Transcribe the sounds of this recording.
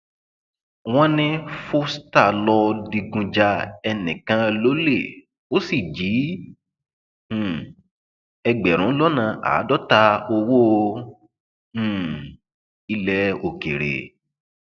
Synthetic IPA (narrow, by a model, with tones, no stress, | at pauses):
w̃ɔ̃˦nĩ˦fo˦sta˦˨lɔ˧di˧ɡũ˧d͡ʒa˧ɛ˧nĩ˨kã˧lo˦le˦˨ | o˦si˦˨d͡ʒi˨˦˨ | ɛ˧ɡ͡bɛ˨ɾ̃ũ˨˦lɔ˦nã˧ʔa̰ː˨˦dɔ˦ta˧o˧wo˦˧˦ | i˧lɛ˨˦o˨ke˨ɾḛ˨